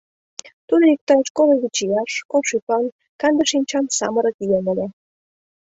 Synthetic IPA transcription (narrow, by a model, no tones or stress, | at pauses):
t̪ud̪ojik̚t̪ɑt͡ɕkoleβit͡ɕijɑʃkolʃypɑn | kɑnd̪əʃinʲt͡ɕɑmsɑ̰məɾə̆kijemelʲe